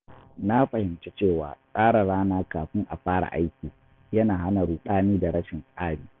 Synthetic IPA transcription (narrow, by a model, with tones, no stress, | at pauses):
na˦ɸɐ˨hɪ˨mt͡ʃe˦t͡ʃeː˦˨wa̰ː˨sʼaː˦ɽa˨ɽaː˦naː˦kaː˨ɸɪ˦ŋʔa˨ɸaː˦ɽa̰˨ʔa˦jkʲiː˨ | jɐ˦naː˨ha˦na˨ɽuː˨ɗaː˦niː˦da˨ɽɐ˦ʃɪ˨nsʼaː˦ɽiː˨